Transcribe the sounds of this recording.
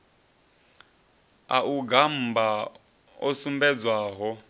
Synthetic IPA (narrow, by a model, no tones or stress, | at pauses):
a̰ʔuɡam̩ba | ɔsumbɛd͡zwaːɦɔ